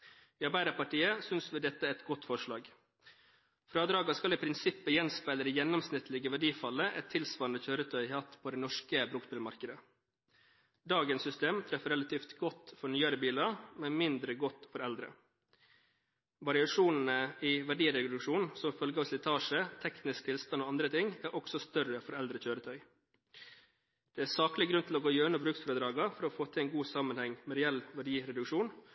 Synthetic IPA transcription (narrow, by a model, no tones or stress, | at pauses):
iːɑɾbæɪd̪əpɑʈiːəsʏnsʋɪd̪ɛt̪ːəɛt̪ɡɔt̪ːfɔʂlɑːɡ | fɾɑːd̪ɾɑːɡɑskɑlɪpʰɾɪnsɪpːəjɛnspæɪləɾəjɛnːɔmsnɪt̪lɪɡəʋæɖiːfɑlːəʔɛt̪ʰːɪlsʋɑːɾnəçøːɾət̪ʰœʏhɑːt̪pʰoːd̪ɛnɔʂkəbɾuːk̚bɪːlmɑɾkəd̪ə | d̪ɑːɡənsʏst̪eːmt̪ʰɾɛfəɾɛlɑt̪ʰiːft̪ɡɔt̪fɔɳyːɑɾəbiːlɑmɛnmɪnd̪ɾəɡɔt̪ːfɔɾɛld̪ɾə̰ | ʋɑɾɪɑʂuːnn̩əɪʋæɖiːɾɛd̪ʉkʂuːnsɔmfœlɡəɑsɪt̪ʰɑːʂət̪ʰɛknɪsk̚t̪ʰɪlst̪ɑnoːɑnd̪ɾət̪ʰɪŋæːɾʔɔksɔst̪œrəfɔɾɛld̪ɾəçøːɾət̪ʰœʏ | d̪̥ɛːæːsɑːklɪɡɾʉnt̪ʰɪloːɡoːjøːɳəbɾʉːksfɔːɾəd̪ɾɑːɡɑfɔɾofoːt̪ʰɪɛɪnɡuːsɑmənhɛŋmɛɾɛɛlʋæɖiːɾɛd̪ʉkʂuːn